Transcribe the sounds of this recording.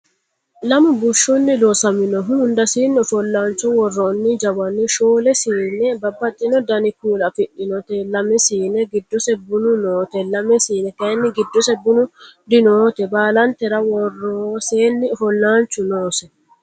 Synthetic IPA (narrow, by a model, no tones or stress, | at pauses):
lɐmʊbʊʃːʊnːɪloːsɐmɪnɔɦʊʊnd̪ɐsiːnːɪɔfɔlːaːnt͡ʃːʊwɔrːɔnːɪd͡ʒɐbɐnːɪʃoːlɛsiːnɛbɐbːɐt̪ʼːɪnɔd̪ɐnɪkuːlɐfɪʔːɪnɔt̪ɛlɐmɛsiːnɛɡɪd̪ːɔsɛbʊnʊnoːt̪ɛlɐmɛsiːnɛk̪ɐnːɪɡɪd̪ːɔsɛbʊnʊd̪ɪnoːt̪ɛbaːlɐnt̪ɛɾɐwɔrːoseːnːɪɔfɔlːaːnt͡ʃːʊnoːsɛ